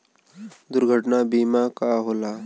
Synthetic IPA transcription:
d̪ʊɾɡʱəʈnabiːmakaɦoːlaː

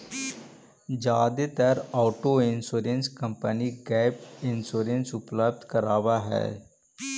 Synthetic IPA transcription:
d͡ʒaːd̪et̪əɾɔːʈoɪ̃nsuːɾenskə̃mpəniɡɛːpɪnsoːɾẽnsʊpləb̚d̪ʱkəɾaːwaɦɛ̰ː

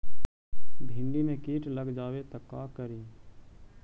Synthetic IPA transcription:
bʱɪ̃ɳɖimẽkiːʈləɡd͡ʒaːwet̪əkaːkəɾĩː

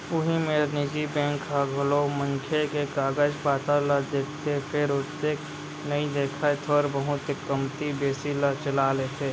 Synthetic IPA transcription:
ʊɦimẽɾnɪd͡ʒibɛ̃ːŋkːaɡʱəloməŋkʰekekaːɡəd͡ʒpaːt̪alad̪eːkʰt̪ʰepʰɪɾʊt̪eːk | nɐĩd̪eːkʰaet̪ʰɔɾbəɦʊt̪ekəmt̪ibeːsilat͡ʃəlaːlet̪ʰeː

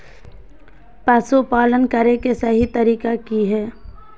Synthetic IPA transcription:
pɛsupaːlənkəɾekesɐɦit̪ɐɾiːkakiɦɛː

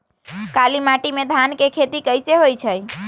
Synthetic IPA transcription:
kalimaʈimẽd̪ʱankekʰet̪ikəjseɦojt͡ʃʰəj

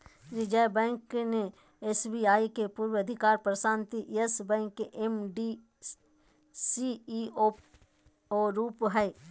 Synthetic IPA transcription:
ɾɪd͡ʒəjbɛ̃ːŋkne | eːsbiaːikepuːɾwəɐd̪ʱɪkaːɾpɾəʃãːnt̪iʔesbɛ̃ːŋkːeʔemɖi | sio | oɾuːpɦɛe

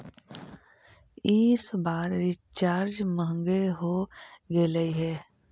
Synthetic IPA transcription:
ɪsbaːɾɾɪt͡ʃaːɾd͡ʒməŋɡeɦoɡeləiɦɛː

